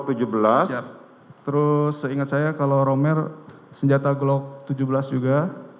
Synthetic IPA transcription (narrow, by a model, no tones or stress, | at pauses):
t̪ud͡ʒubəlasja | t̪əɾʊsəiŋat̪̚sajakaloɾomɛr | səɲd͡ʒat̪aɡlɔk̚t̪ud͡ʒubəlasd͡ʒuɡa